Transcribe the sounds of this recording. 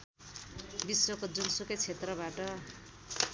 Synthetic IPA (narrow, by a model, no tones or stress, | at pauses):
biswʌkod͡zunsukʌjt͡sʰet̪rʌbaʈʌ